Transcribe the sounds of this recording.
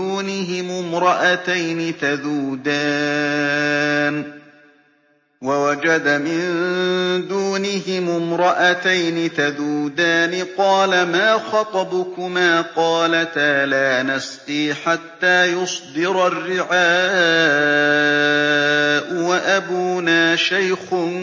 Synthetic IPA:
uːnɪɦɪmʊmɾˤɑʔat̪ajnɪθaðuːd̪aː | n | wawad͡ʒad̪amɪnd̪uːnɪɦɪmʊmɾˤɑʔat̪ajnɪθaðuːd̪aːnɪqɑːlamaːxɑt̪ˤɑbʊkʊmaːqɑːlat̪aːlaːnasqiːħat̪ːaːjʊsˤd̪ɪɾarːɪʕaː | ʔʊwaʔabuːnaːʃajxʊ

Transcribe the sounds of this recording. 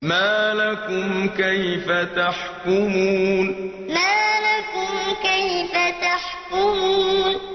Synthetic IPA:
maːlakʊmkajfat̪aħkʊmuːn | maːlakʊmkajfat̪aħkʊmuːn

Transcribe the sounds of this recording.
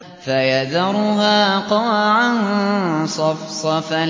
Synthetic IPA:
fajaðɑɾˤʊɦaːqɑwaʕansˤɑfsˤɑfa

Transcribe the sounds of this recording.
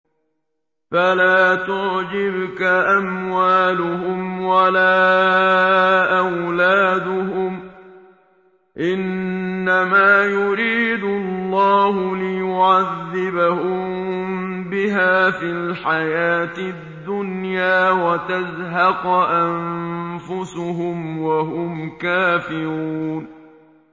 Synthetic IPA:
falaːt̪ʊʕd͡ʒɪbkaʔamwaːlʊhʊmwalaː | ʔawlaːd̪ʊɦʊm | ʔɪnːamaːjʊɾiːd̪ʊllːɑːhʊlɪjʊʕaðːɪbahʊm | bɪɦaːfilħajaːt̪ɪd̪ːʊnjaːwat̪azɦɑqʔanfʊsʊɦʊmwaɦʊmkaːfɪɾuːn

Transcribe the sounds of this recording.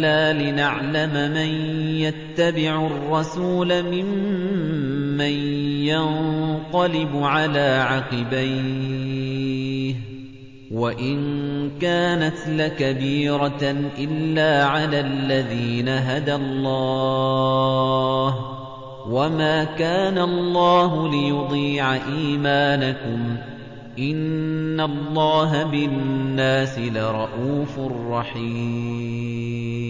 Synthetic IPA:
laːlɪnaʕlamamanjat̪ːabɪʕʊrˤːɑsuːlamɪm | anjanq̪ɑlɪbʊʕalaːʕɑqɪbaj | h | waʔɪnkaːnat̪lakabiːɾaʔɪlːaːʕalaːlːaðiːnaɦad̪alˤːɑː | h | wamaːkaːnalˤːɑːɦʊlɪjʊd̪ˤiːʕaʔiːmaːnakʊm | ʔɪnːalˤːɑːɦabɪnːaːsɪlaɾˤɑʔuːfʊrˤːɑħiː

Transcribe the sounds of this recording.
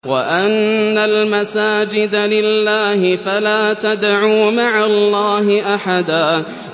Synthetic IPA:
waʔanːalmasaːd͡ʒɪd̪alɪlːaːhɪfalaːt̪ad̪ʕuːmaʕalːɑːɦɪʔaħad̪aː

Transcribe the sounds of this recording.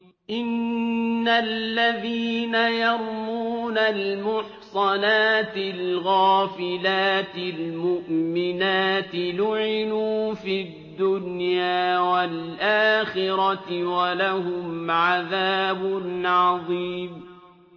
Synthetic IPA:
ʔɪnː | alːaðiːnajɑɾˤmuːnalmʊħsˤɑnaːt̪ɪlɣaːfɪlaːt̪ɪlmʊʔmɪnaːt̪ɪlʊʕɪnuːfid̪ːʊnjaːwalʔaːxɪɾɑt̪walahʊmʕaðaːbʊnʕɑðˤiːm

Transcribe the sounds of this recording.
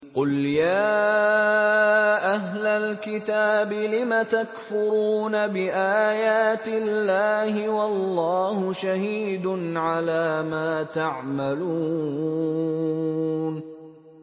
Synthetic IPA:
qʊljaː | ʔaɦlalkɪt̪aːbɪlɪmat̪akfʊɾuːnabɪʔaːjaːt̪ɪlːaːhɪwɑlːɑːhʊʃahiːd̪ʊnʕalaːmaːt̪aʕmaluː | n

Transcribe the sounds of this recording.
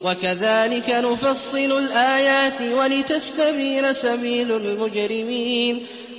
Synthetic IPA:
wakaðaːlɪkanʊfɑsˤːɨlʊlʔaːjaːt̪walɪt̪ast̪afiːnasabiːlʊlmʊd͡ʒɾɪmiːn

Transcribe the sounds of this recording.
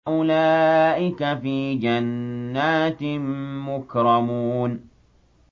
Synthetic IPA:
ʔʊlaːʔɪkafiːd͡ʒanːaːt̪ɪmmʊkɾˤɑmuːn

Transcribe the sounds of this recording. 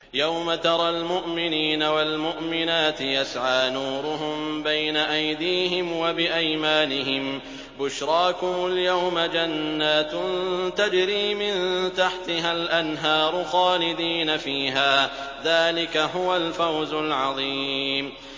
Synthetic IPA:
jawmat̪ɑɾˤɑlmʊʔmɪniːnawalmʊʔmɪnaːt̪ɪjasʕaːnuːɾʊɦʊmbajnaʔajd̪iːɦɪmwabɪʔajmaːnɪɦɪm | bʊʃɾˤɑːkʊmʊljawmad͡ʒanːaːt̪nt̪ad͡ʒɾiːmɪnt̪aħt̪ɪɦalʔanɦɑːɾˤʊxɑːlɪd̪iːnafiːɦaː | ðaːlɪkaɦʊwalfawzʊlʕɑðˤiːm

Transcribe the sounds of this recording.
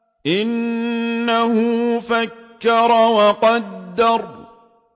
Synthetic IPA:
ʔɪnː | ahʊfakːɑɾˤɑwɑqɑd̪ːɑɾˤ

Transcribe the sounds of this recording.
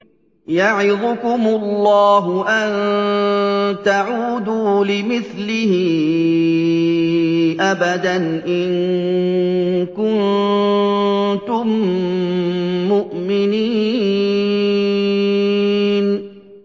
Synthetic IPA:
jaʕɪd̪ʊkʊmʊlːɑːɦʊʔan | t̪aʕuːd̪uːlɪmɪθlɪhɪ | ʔabad̪anʔɪn | kʊn | t̪ʊm | ʊʔmɪniː | n

